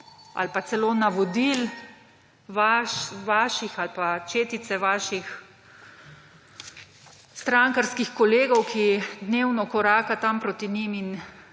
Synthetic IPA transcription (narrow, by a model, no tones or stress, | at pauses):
a̰lpat̪sɛloːnaʋɔd̪il | ʋaʋaːʃixalpat͡ʃeːt̪it̪sɛʋaːʃix | st̪ɾaŋkaɾskixkɔleːɡɔwkʰid̪neːwnɔkɔɾaːkat̪ampɾot̪inimin